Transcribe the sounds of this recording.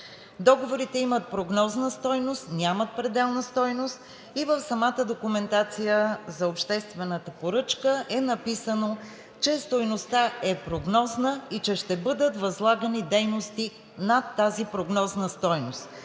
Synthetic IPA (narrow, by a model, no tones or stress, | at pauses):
d̪ɔɡovoɾit̪ɛimət̪̚pɾoɡnɔznəst̪ɔjnost̪nʲamət̪̚pɾɛd̪ɛlˠnəst̪ɔjnost̪ | ivəfsɐmat̪əd̪okumɛnt̪at̪sijəzɐopʃt̪ɛst̪vɛnət̪əpoɾɤt͡ʃkəʔɛnɐpisəno | t͡ʃɛst̪ojnost̪aɛpɾoɡnɔznəit͡ʃɛʃt̪ɛbɤd̪ət̪vɐzlˠaɡənid̪ɛjnost̪i | nɐt̪ːazipɾoɡnɔznəst̪ɔjnost̪